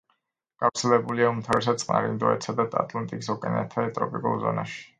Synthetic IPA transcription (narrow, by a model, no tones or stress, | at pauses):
ɡ̥afɾt̪sʰɛlɛbuliaumt̪ʰaɾɛs̬at̪sʼqʼna̰ɾind̪ɔɛt̪sad̪at̪ʼa̰t̪ʼlˠant̪ʼikʼs̬ɔkʼɛnɛt̪ʰat̪ʼɾɔpʼikʼṵlˠzɔ̰naʃi̥